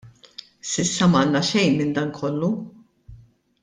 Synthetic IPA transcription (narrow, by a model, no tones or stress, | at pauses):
sɪsːɐmɐːnːɐʃɛjnmɪnd̪ɐnkʰɔlːu